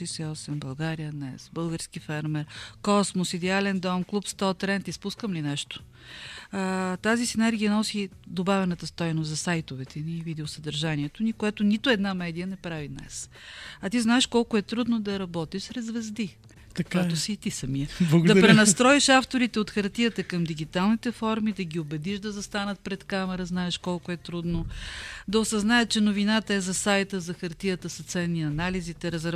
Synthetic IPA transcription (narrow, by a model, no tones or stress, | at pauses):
ɛjsɛɔsɛmbɐlˠɡaɾijəd̪nɛsbɤlˠɡəɾsk̟ifɛɾmɛɾkɔsmosid̪ɛalɛnd̪ɔmklˠupst̪ɔt̪ɾɛnt̪ispuskəmlinɛʃt̪o̥ | t̪azisinɛɾɡʲiənɔsid̪obavʲɛnət̪əst̪ɔjnost̪zɐsajt̪ovɛt̪ʰɛnivid̪isəd̪ɐɾʒaniɛt̪onikoɛt̪onit̪ʊɛd̪namɛd̪ijənɛpɾavid̪nɛ̰sɐt̪iznaɛʃkɔlˠkʊɛt̪ɾud̪nod̪ɐɾɐbɔt̪iʃsɾɛzvɛzd̪i | k̪kɛt̪osiːt̪isɐmiəɐɡd̪ɐpɾɾɛnɐst̪ɾɔiʃaft̪oɾit̪ɛot̪xɐɾt̪iət̪əkɐmd̪iɡit̪alˠnit̪ɛfɔɾmid̪ɐɡʲiobɛd̪iʃd̪ɐzɐst̪anət̪̚pɾɛt̪kamɛɾəznaɛʃkɔlˠkʊɛt̪ɾud̪nod̪ɐosɐznajət̪̚t͡ʃɛnovinat̪əɛzɐsajt̪əzɐxɐɾt̪ijət̪əsɐt̪sɛnːiɐnalizit̪ɛɾɐzɾ